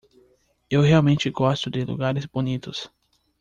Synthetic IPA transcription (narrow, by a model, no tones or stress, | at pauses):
ewheawmẽnt͡ʃɪɡɔst̪ʊd̪ɪlṵɡaɾɪzbonit̪ʊs